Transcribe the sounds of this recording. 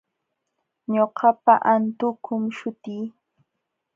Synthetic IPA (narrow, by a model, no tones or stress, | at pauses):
ɲoɢɑpaʔant̪ʊkʰʊmʃʊt̪iː